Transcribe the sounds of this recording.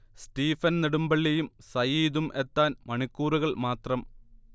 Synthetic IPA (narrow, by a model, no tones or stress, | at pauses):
stiːfɐnniɽumbɐɭːejumsɐjiːðumʔe̞t̪ːaːnmɐɳikːuːruɣɐɭmaːt̪rɐm